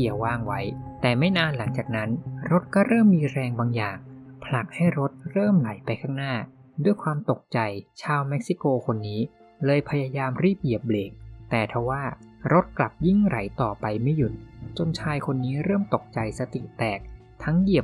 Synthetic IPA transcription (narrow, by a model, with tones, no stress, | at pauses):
i˨˩əwaː˧˥˩ŋwa˦˥jt̪ɛː˨˩ma˥˩jnaː˧nla˩˦ŋt͡ɕaː˨˩k̚na˦˥nɾo˦˥t̪̚kɔː˥˩ɾɤː˥˩mːiː˧ɾɛː˧ŋbaː˧ŋjaː˨˩ŋpʰla˨˩k̚ha˥˩jɾo˦˥t̪̚ɾɤː˥˩mla˩˦jpa˧jkʰaː˥˩ŋnaː˥˩ | du˥˩əjkʰwaː˧mt̪o˨˩k̚t͡ɕa˧jt͡ɕʰaː˧wme˦˥k̚si˧˥koː˧kʰo˧nːiː˦˥ | lɤː˧jpʰa˧ja˧jaː˧mɾiː˥˩p̚ji˨˩əp̚leː˨˩k̚t̪ɛː˨˩t̪ʰa˧˥waː˥˩ɾo˦˥t̪̚kla˨˩p̚ji˥˩ŋɾa̰˩˦jt̪ɔː˨˩pa˧jma˥˩jːu˨˩t̪̚t͡ɕo˧nt͡ɕʰaː˧jkʰo˧nːiː˦˥ɾɤː˥˩mt̪o˨˩k̚t͡ɕa˧jsa˧t̪ḭ˨˩t̪ɛː˨˩k̚ | t̪ʰa˦˥ŋji˨˩ə